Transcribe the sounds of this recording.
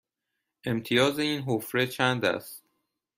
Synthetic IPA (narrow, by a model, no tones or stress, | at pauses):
ʔe̞mt̪ʰijɒːzeiːnɦofɾe̞t͡ʃʰænd̪æ̰st̪